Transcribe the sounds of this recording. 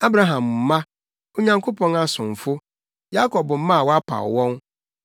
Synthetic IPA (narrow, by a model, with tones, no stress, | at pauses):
a˦bɾa˨ɦã˨m˨m̩˦mã˦ | o˦ɲã˦ŋkʰo˦pʰɔ̃˦ŋa˦sʊ̃˨n˨fʊ˦ | ja˦kʰɔ˨bm̩˦mã˦˨wɔ˦a˦pʰa̰˨wɔ̃˦n